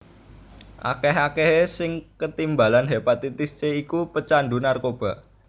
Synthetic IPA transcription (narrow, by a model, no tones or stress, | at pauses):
ʔa̰kɛɦakeɦesɪŋkət̪imba̤lanɦepat̪it̪ɪst͡ʃeikupət͡ʃandunarkob̥ä̤ʔ